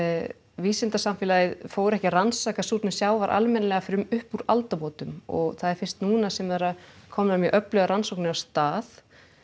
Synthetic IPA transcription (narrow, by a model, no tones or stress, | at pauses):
viːsɪnt̪asamfɪːlajɪðfoːwɾɛhcɪransakasuːt̪nɪsjaːwvaɾʔa̰lmɛnalɛɣafɾʏmʏhpuɾa̰lt̪apɔːt̪ʏmɔ̰ɣθaðɛɾ̥fɪr̥t̪nuːnasɛmvɛɾakʰɔmnamjœʔœplœɣaɾansowknɪawst̪aːð